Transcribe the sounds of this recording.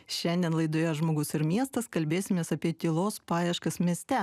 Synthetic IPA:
ʃʲɛnʲd̪ʲiɛnlˠɐɪd̪oːjɛʒmoːɡʊsɪɾmʲiɛst̪ɐskɐlʲbʲeːsʲɪmʲeːsɐpʲiɛt̪ʲiːlˠoːspɑːjɛʃkɐsmʲiɛsʲt̪ʲɛ

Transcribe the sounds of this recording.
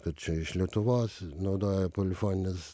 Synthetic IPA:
kɐt̪t͡ʃʲɛɪʃlʲit̪ʊʋoːsʲnɐʊd̪oːjɛpolʲɪfoːnʲnʲɪs

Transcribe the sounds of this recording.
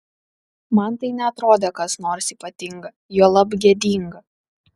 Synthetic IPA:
mɐnt̪ɐɪnʲɛɐt̪ɾoːd̪ʲekɐsnoːɾsiːpɐt̪ʲɪŋɡɐ | juːlˠɐbɡʲeɛd̪ʲiːŋɡɐ

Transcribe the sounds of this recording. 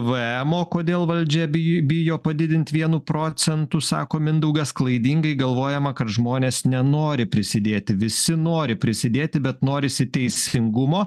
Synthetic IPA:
ʋɨɛmoːkoːd̪ʲeːlˠʋɐlʲd͡ʒʲɛbʲɪjoːpɐd̪ʲɪd̪ʲɪnʲt̪ʲʋʲiɛnuːpɾoːsʲɛnt̪usɑ̰ːkoːmʲɪnd̪ɐʊɡɐsklˠɐɪd̪ʲiːŋɡɐɪɡɐlˠʋoːjɛmɐkɐt̪ʒmoːnʲeːsnʲɛnoːɾʲɪpʲɾʲɪsʲɪd̪ʲeːt̪ʲɪʋʲɪsʲɪnoːɾʲɪpʲɾʲɪsʲɪd̪ʲeːt̪ʲɪbʲɛt̪noːɾʲɪsʲɪt̪ʲɛɪsʲɪŋɡʊmoː

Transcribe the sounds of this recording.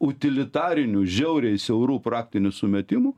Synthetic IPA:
ʊt̪ʲɪlʲɪt̪ɑːɾʲɪnʲʊʒʲɛʊɾʲɛɪsʲɛʊɾuːpɾɑːkt̪ʲɪnʲʊsʊmʲɛt̪ʲɪmʊ

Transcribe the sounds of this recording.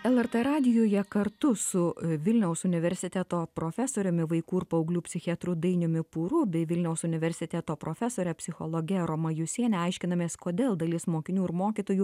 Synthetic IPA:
ɛlˠɛrt̪ɛɾɑːd̪ʲɪjoːjɛkɐɾt̪ʊsʊʋʲɪlʲnʲɛʊsʊnʲɪʋʲɛɾʲsʲɪt̪ʲæt̪oːpɾoːfʲæsoːɾʲʊmʲɪʋɐɪkuːɪɾpɐɐʊɡlʲuːpʲsʲɪxʲɪɛt̪ɾʊd̪ɐɪnʲʊmʲɪpuːɾʊbʲɛɪʋʲɪlʲnʲɛʊsʊnʲɪʋʲɛɾʲsʲɪt̪ʲæt̪oːpɾoːfʲɛsoːɾʲɛpʲsʲɪxoːlˠoːɡʲɛɾoːmɐjʊsʲiɛnʲɛɐɪʃʲkʲɪnɐmʲeːskoːd̪ʲeːlˠd̪ɐlʲɪsmoːkʲɪnʲuːɪɾmoːkʲit̪oːjuː

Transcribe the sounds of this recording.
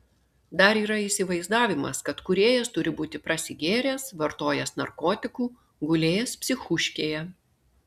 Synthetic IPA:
d̪ɐɾiːɾɐisʲɪʋɐɪzd̪ɑːʋʲɪmɐ̰skɐt̪kʊɾʲeːjɛst̪ʊɾʲɪbuːt̪ʲɪpɾɐsʲɪɡʲeːɾʲeːsʋɐɾt̪oːjɛsnɐ̰ɾkoːt̪ʲɪkuː | ɡʊlʲeːjɛspʲsʲɪxʊʃʲkʲeːjɛ

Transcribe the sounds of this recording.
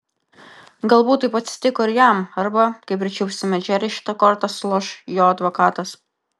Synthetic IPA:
ɡɐlˠbuːt̪ːɐɪpɐt̪ʲsʲɪ̥t̪ʲɪkɔɪɾjæˑmɐɾbɐkɐɪp̬ʲɾʲɪt͡ʃʲɛʊʃʲsʲɪmʲɛd͡ʒʲæːɾʲɪʃʲɪ̥t̪ɐkɔɾt̪ɐslˠɔʃjoːɐd̪ʋokɑːt̪ɐs

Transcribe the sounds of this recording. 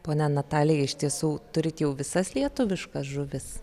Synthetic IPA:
poːnʲɛnɐt̪ɑːlʲɪjɛɪʃʲt̪ʲiɛsuːt̪ʊɾʲɪt̪jɛʊʋʲɪsɐslʲiɛt̪ʊʋʲɪʃkɐsʒʊʋʲɪs

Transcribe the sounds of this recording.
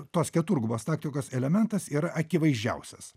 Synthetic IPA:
t̪oːskʲɛt̪uɾɡʊboːst̪ɑːk̚t̪ʲɪkoːsɛlʲɛmʲɛnt̪ɐsiːɾɐʔɐkʲɪʋɐɪzʒʲd͡ʒʲɛ̰ʊsʲɛs

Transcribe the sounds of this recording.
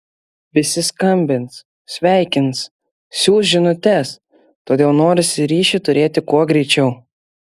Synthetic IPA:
ʋʲɪsʲɪskɐmʲbʲɪnt̪s | sʲʋʲæˑɪkʲɪns | sʲuːsʒʲɪnʊt̪ʲɛs | t̪oːd̪ʲeːlˠnoːɾʲɪsʲɪɾʲiːʃʲɪt̪ʊɾʲeːt̪ʲɪkuɔɡɾʲɛɪt͡ʃʲɛʊ

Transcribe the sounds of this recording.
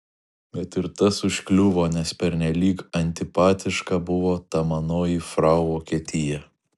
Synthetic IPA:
bʲɛt̪ɪɾt̪ɐsʊʃʲkʲlʲʊʋoːnʲɛspʲɛɾʲnʲɛlʲiːkɐnʲt̪ʲɪpɑːt̪ʲɪʃkɐbʊʋoːt̪ɐmɐnoːjifɾɐʊʋoːkʲiɛt̪ʲɪjɛ

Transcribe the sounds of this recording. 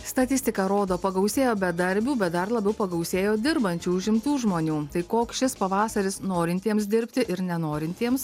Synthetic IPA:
st̪ɐt̪ʲɪsʲt̪ʲɪkɐɾoːd̪oːpɐɡɐʊsʲeːjoːbʲɛd̪ɐɾʲbʲuːbʲɛt̪̚d̪ɐɾlˠɐbʲɛʊpɐɡɐʊsʲeːjoːd̪ʲɪɾbɐnʲt͡ʃʲuːʊʒʲɪmt̪uːʒmoːnʲuːt̪ɐɪkoːkʃʲɪspɐʋɑːsɐɾʲɪsnoːɾʲɪnʲt̪ʲiɛms̬d̪ʲɪɾʲpʲt̪ʲɪʔɪɾnʲɛnoːɾʲɪnʲt̪ʲiɛms

